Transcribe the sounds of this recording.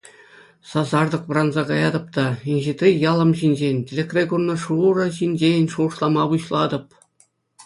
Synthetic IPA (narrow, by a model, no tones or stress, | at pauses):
sɑzɑrd̪ɤ̆qʋɤ̆rɑnzɑɡɑjɑd̪ɤ̆p̚t̪ɑinʲʑit̪ʲrʲijɑlˠɤ̆mʑinʲʑenʲtʲelʲekrʲeɡurnːɤ̆ʂurɤ̆ʑinʲd͡ʑenʲʂŭʂlˠɑmɑbuɕlˠɑd̪ɤ̆p̚